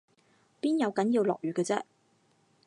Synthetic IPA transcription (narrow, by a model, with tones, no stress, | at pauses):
piː˥njɐ˨˧wkɐ˨˥njiː˧wlɔ̰ː˨k̚jyː˨kɛː˧t͡sɛ˥